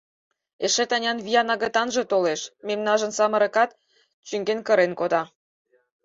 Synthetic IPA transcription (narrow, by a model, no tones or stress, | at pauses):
eʃĕt̪ɑnʲɑnβijɑnɑɣə̆t̪ɑnʒĕt̪oleʃmemnɑʒə̆nsɑmə̆ɾə̆kɑt̪ | t͡ɕyŋɡenkə̆ɾenkod̪ɑ